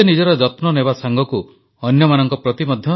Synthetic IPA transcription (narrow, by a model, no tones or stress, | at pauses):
enid͡ʒɔɾɔd͡ʒɔt̪nɔnebasaŋɡɔku | ɔnjɔmanɔŋkɔpɾɔt̪imɔd̪ʱjɔ